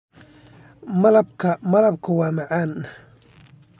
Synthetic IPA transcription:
mɐlɐbkʰɐmɐlɐb̚kʰʊwɑːmɑʕaːn

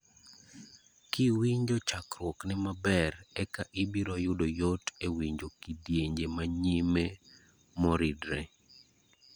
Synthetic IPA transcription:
kiwiɲd͡ʒɔt͡ʃakɾwɔknɪmabɛrɛkaʔɪbiɾɔjʊdojotewiɲd͡ʒokidjeɲd͡ʒemaɲime | mɔɾidɾe

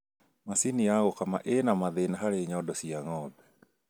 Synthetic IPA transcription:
masiniaɣɔkama̰ʔenamaðenaɦaɾeɲɔdɔsiaŋɔbɛ̥

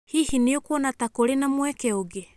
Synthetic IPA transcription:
hihineokwɔnatakoɾenamwɛkɛoɡe

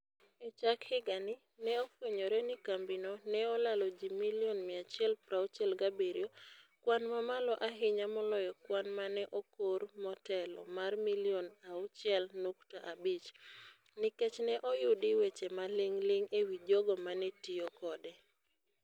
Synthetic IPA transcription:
et͡ʃakhɪɡanɪ | nɛɔpwoɲoɾɛnɪkambɪnɔnɛɔlalɔd͡ʒimiljɔnmɪat͡ʃjɛlpɾaʊt͡ʃɛlɡabeɾjokwanmamalɔʔaɦɪɲamɔlɔjɔkwanmanɛʔokoɾmɔtɛlɔ̰marmilionaʊt͡ʃjɛlnoktaʔabit͡ʃ | nɪket͡ʃnɛʔɔjʊdɪwet͡ʃemalɪŋlɪŋewid͡ʒɔɡɔmanɛtiokɔdɛ

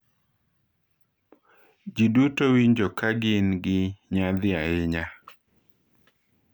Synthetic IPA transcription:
d͡ʒidutowiɲd͡ʒokaɡɪnɡɪɲad̪ɪaɪɲa

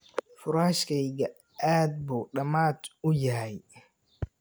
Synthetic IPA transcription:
fʊɾaːʃkʰɛjɡɐ | aːd̪̚buːɖɐmaːd̪ʊjɐɦɛj

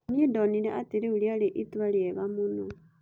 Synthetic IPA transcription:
nidonileʔatiɾiulialeʔituwaljeβamuno

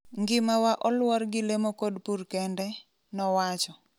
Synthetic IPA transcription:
ŋɡɪmawaʔɔlwɔɾɡɪlemokodpuɾkɛndɛ | nɔwat͡ʃɔ

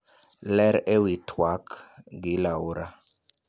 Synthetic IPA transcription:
lɛɾewitʰwakɡilauɾa

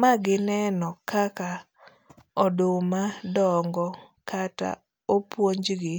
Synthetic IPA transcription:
maɡɪnɛnɔkaka | ɔdʊmadɔŋɡɔkʰata̰ | opwoɲd͡ʒɡɪ

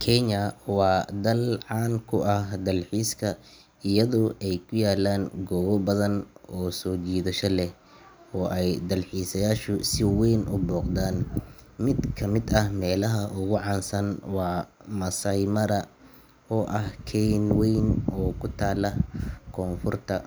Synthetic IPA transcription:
kʰɛɲɐwɑːd̪ɐlʕɑːŋkʰʊʔɐhd̪ɐlħiːskʰɐ | ɪjɐðɔːʔɛjkʰʊjaːlaːŋɡɔːɣɔbɐðɐnɔːsɔːt͡ʃiːðɐʃɐlɛh | ɔːʔɛjd̪ɐlħiːsɐjaːʃʊsɪwɛjnʔʊ̰bɔːqd̪aːn | mɪd̪kʰɐmɪd̪ɐhmɛːlɐɦɐʔʊɣʊʕɑːnsɐnwɑːmɐsɐjmɐɾɐ | ɔːʔɐhkʰɛjnwɛjnɔːkʰʊt̪ʰaːlɐkʰɔːnfʊrt̪ʰɐ

